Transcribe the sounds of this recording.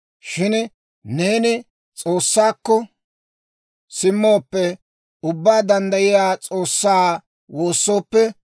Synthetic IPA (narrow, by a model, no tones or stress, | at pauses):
ʃɪn | ne̞ːnɪ | t͡sʼo̞ːsːaːkːɔ | sɪmːoːpːɛ | ʊbːaːd̪ɐnd̪ɐjɪjaːt͡sʼo̞ːsːaː | wo̞ːsːo̞ːpːɛ